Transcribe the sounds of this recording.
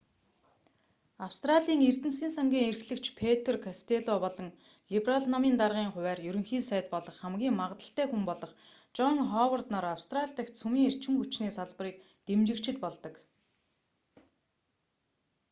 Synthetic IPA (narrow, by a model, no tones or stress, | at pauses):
awst̪raɮʲiːŋer̥t̪ɘ̆nsiːnsaŋɡʲiːŋerxɮɘ̆kt͡ɕpʰet̪̆ʰrkʰast̪ʰeɮɔpɔɮɞ̆ŋ | ɮipraɮnɔmiːnt̪arʁiːŋχʊwæːrjɵɾɵ̆ŋxiːnsæjt̪̚pɔɮɞ̆χːæmɡʲiːŋmaʁt̪ə̆ɬt̪æːxumpɔɮɞ̆χ | t͡ɕɔŋχɔːwərt̪nɔːɾawst̪raɮʲt̪æ̆kt̪sumiːŋer̥t͡ɕɪ̆ŋxut͡ɕniːsaɮpə̆riːk̚ | t̪emt͡ɕɪ̆kt͡ɕɪ̆t̪pɔɮt̪ɞ̆k